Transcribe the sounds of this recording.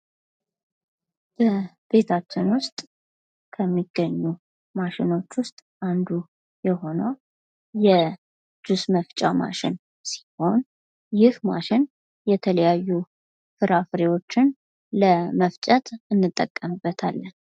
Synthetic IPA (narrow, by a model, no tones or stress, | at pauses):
b̥ə | b̥e̞t̪ʰat͡ʃːɪnwʊst̪ʼ | kʰəmːiɡːəɲːu | maʃɪno̞t͡ʃːwʊst̪ʼʔand̪u | jɛho̞nəw | jɛ | d͡ʒusməft͡ʃʼama̰ʃɪn | si̥ho̞n | jɪhma̰ʃɪn | jɛt̪ʰələjajːu | fɨɾafɾewo̞t͡ʃːɪn | ləməft͡ʃʼət̪ɨnːɨt̪ʼːəkʼːəmɨbːət̪ʰalːən